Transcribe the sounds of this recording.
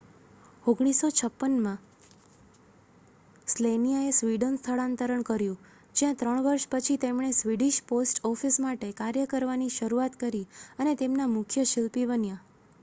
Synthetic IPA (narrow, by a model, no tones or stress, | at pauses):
oɡɽ̃isot͡ʃʰəpːənmã | slenijaesʋiɖənst̪ʰəɭãnt̪əɾəɳkəɾjũ | d͡ʒjãt̪ɾəɳ̃ʋəɾʃpət͡ʃʰit̪emɳ̃esʋiɖiʃposʈɔfʰismaʈekaɾjəkəɾʋaniʃəɾuat̪kəɾiənet̪emnamʊkʰjəʃɪlpibənjã